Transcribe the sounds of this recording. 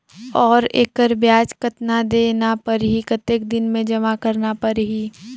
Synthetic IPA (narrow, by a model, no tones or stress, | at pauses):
ɔːɾḛːkəɾbjaːt͡ʃkət̪nad̪eːnapɐɾɦikɐt̪ek̚d̪ɪnmẽd͡ʒɐmakɐɾnapəɾɦiː